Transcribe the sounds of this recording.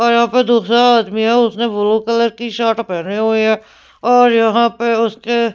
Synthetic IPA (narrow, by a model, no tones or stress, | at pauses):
ɔːɾjɐɦãːped̪oːxsaaːd̪miɦɛʊsnẽʋoloːkələɾkiʃaːʈpɛːneɦoːeɦɛː | ɔːɾjɐɦãpeʊske